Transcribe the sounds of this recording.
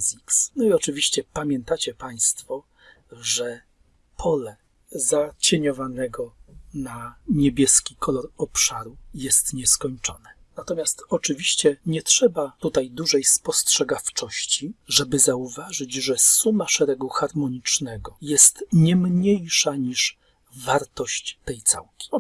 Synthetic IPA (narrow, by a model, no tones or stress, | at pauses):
ziksnɔiɔt͡ʂɘvʲiɕt͡ɕɛpamʲjɛnt̪at͡ɕɛpaj̃st̪fɔ | ʐɛ | pʰɔlɛ | zat͡ɕeɲɔvanɛɡɔnaɲebʲjɛskʲikʰɔlɔɾɔpʂaɾujɛst̪ɲɛskɔɲt͡ʂɔnɛ | nat̪ɔmʲjast̪ɔt͡ʂɘvʲiɕt͡ɕɛɲɛtʂɛbat̪ut̪ajd̪uʐɛjspɔstʂɛɡaft͡ʂɔɕt͡ɕiʐɛbɘzauvaʐɘd͡ʑʐɛsumaʂɛɾɛɡuxaɾmɔɲit͡ʂnɛɡɔjɛst̪ɲɛmɲejʂaɲiʂ | vaɾt̪ɔɕt͡ɕt̪ɛjt̪sa̰wkʲi̥